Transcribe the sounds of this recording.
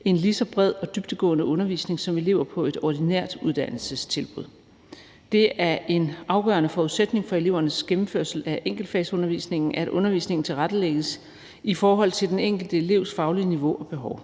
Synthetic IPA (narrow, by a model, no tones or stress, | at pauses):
e̝nlisɒ̽b̥ʁɛð̞̰ˠɒ̽d̥yb̥̚d̥əɡ̥ɔ̰̽ːnəɔ̽nɐʋḭːsne̝ŋsɒ̽me̝le̝̰ʊɐpʰɒ̽e̝d̥ɒd̥ineɐ̰d̥uð̞ˠd̥æn̰l̩səst͡sʰe̝lb̥ʁuð̰ˠ | d̥e̝æɐʔe̝nʔɑ̈ʊɡ̥ɶ̰ːɐnəfɒuðˠsed̥ne̝ŋfɒ̽e̝le̝ʊ̰ɐnəsɡ̥emm̩føɐ̰sl̩æʔeŋ̰ɡ̥l̩d̥fɛ̰sɔ̽nɐʋḭːsne̝ŋn̩æɐædʔɔ̽nɐʋḭːsne̝ŋn̩t͡sʰe̝lʁad̥əleɡ̥əs | ifɒːɦɒ̽l̰t͡sʰeld̥eneŋ̰ɡ̥l̩d̥əe̝le̝ʊsfɑ̈ʊliəniʋo̝ʔɒ̽b̥e̝ɦɒʊ